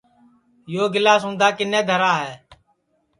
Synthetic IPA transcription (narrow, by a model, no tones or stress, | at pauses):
joːɡɪlaːsɦũːnd̪aːkɪnẽːd̪ʱəɾaːɦɛː